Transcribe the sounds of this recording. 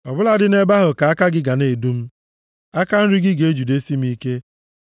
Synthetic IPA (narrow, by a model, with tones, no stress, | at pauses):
ɔ˨bʊ˦la˦dɪ˦ne˦ba˦ɦʊ˨ka˨a˦ka˦ɡɪ˦ɡa˨ne˨du˦m̩˦ | a˦ka˦n̩˦ɾi˦ɡɪ˦ɡe˨e˦d͡ʒu˨de˦si˦m̩˦i˦ke˦